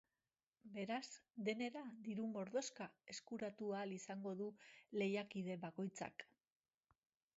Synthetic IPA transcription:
be̞ɾazd̪e̞ne̞ɾad̪iɾumo̞ɾðo̞skae̞skuɾat̪ualisaŋɡo̞ðule̞jakiðe̞βako̞jt͡sa̰k

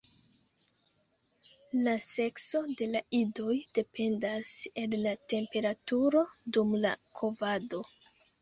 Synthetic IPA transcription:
lase̞kso̞de̞laido̞jd̥e̞pʰe̞ndase̞nlate̞mpe̞ɾatuɾo̞dumla̰kʰo̞vado̞

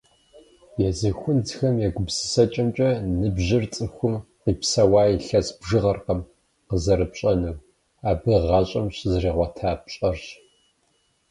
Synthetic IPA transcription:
jɛzɨxʷʊntxɐmjɛɡʷʊbsɨ̥sɐt͡ʃʼɐmt͡ʃʼɐnɨbʑɪrt͡sʼɨxʷʊmqiːpsɐwaːjiɬɐsbʒɨʁɐrqɐm | qəzɐɾɨpɕʼɐnɨw | aːbɨʁɑɕʼɐmɕzriːʁʷɔtʰaːpɕʼɐrɕ

